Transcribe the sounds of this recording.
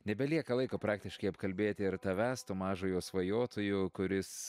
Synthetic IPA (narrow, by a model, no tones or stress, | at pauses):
nʲɛbʲɛlʲiɛkɐlˠɐɪkoːpɾɑːk̚t̪ʲɪʃkɐɪɐpkɐlʲbʲeːt̪ʲɪɪɾt̪ɐʋʲæːst̪umɑːʒʊːjoːsʋɐjoːt̪ʊjʊkʊɾʲɪs